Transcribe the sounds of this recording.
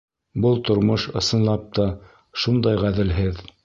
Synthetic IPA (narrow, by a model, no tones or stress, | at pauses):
bɤlˠt̪ŏɾmoʃɤ̆sɤ̆nlˠɑp̚t̪ɑ | ʃund̪ɑjʁæðɘ̆lɦɘð